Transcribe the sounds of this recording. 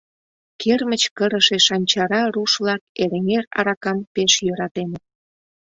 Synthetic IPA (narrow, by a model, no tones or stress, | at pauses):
kʰermət͡ɕkəɾə̆ʃeʃɑnʲt͡ɕɑɾɑɾuʃvlɑk̚eɾeŋeɾɑ̰ɾɑkɑmpeʃjøɾɑt̪enət̪̚